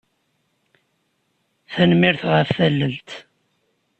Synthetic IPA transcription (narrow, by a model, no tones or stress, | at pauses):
θænmɪɾθʁəfθælːəlt̪